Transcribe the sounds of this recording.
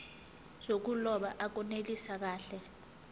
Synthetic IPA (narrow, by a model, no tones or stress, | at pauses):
z̥ok̬ulɔɓaʔak̬ɔnelisak̬aːɬɛ